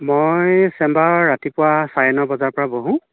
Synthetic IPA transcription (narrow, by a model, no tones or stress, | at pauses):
mojsɛmbaɹːatipʊwasajɛnɔbɔzaɹpɔɹaboɦũ